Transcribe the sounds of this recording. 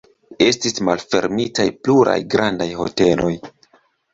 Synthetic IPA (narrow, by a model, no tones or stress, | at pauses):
e̞stismalfe̞̰ɾmitajpluɾa̰jɡɾʔandajho̞̰te̞lo̞j